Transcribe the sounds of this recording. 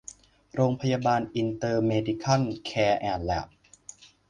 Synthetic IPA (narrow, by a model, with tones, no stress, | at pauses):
ɾoː˧ŋpʰa˧jaː˧baː˧nʔi˧nt̪ɤː˧meː˧diː˧kʰa˥˩nkʰɛː˧ʔɛː˨˩nlɛ̰˨˩p̚